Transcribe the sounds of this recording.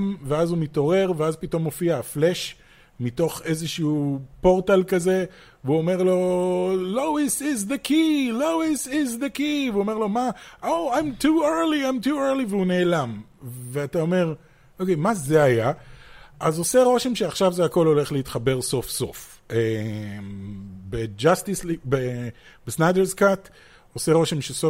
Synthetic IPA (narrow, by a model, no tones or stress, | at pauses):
mveazumito̞ʁe̞ʁveazpito̞mːo̞fiaːfleʃ | mito̞χe̞zeʃuupo̞ʁtalkaze̞ | vuome̞ʁlo̞lowisizðekʰilowisizd̪ekiveuome̞ʁlo̞maʔoajmtueɾliajmtueʁliveune̞ːlamveatao̞me̞ʁ | ʔokejmazeaja | ʔazo̞se̞ʁo̞ʃe̞mʃeaχʃavzeako̞lo̞le̞χleitχabe̞ʁso̞fso̞̰f | embed͡ʒastislibe | b̥esnajdeɾzkat | ose̞ʁoʃemʃeso